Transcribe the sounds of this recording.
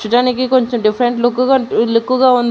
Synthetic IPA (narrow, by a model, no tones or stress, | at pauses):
t͡ʃuʈaːnikikoɲt͡ʃomɖipʰɐɾeɳʈlukːuɡalukːuɡaːund̪